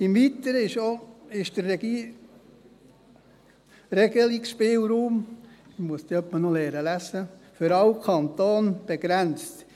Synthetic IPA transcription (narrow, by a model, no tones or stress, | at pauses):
ɪmʋit̪əɾəɪʃoɪʃd̥əɾɛ | rɛɡəlikʃpɪːlɾuːmɪmuəsd̥̪eœpːənɔlɛːɾəlæsəføɾɑwkʰɑnt̪oːnb̥eɡɾænt͡st̪